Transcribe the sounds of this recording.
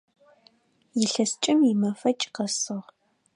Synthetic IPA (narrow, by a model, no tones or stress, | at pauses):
jɪɬɐst͡ʃʼɪmjimɐfɐt͡ʃʼqɐsɨʁ